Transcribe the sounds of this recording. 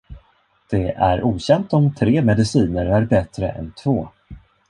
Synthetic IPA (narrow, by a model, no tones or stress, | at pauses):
d̪̥ɛæɾʔuːɕɛnt̪ɔmt̪ʰɾeːmɛd̪ɪsiːnəɾæɾbɛt̪ɾə̰ʔɛ̰nt̪ʰvoː